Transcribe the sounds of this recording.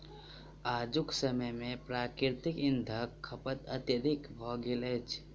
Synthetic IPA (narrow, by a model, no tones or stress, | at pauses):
aːd͡ʒʊksəməjmẽpɾaːkɪɾt̪ɪkɪ̃nd̪ʱəkʰːəpət̪ət̪əɾɪkbʱɔːɡilet͡ʃ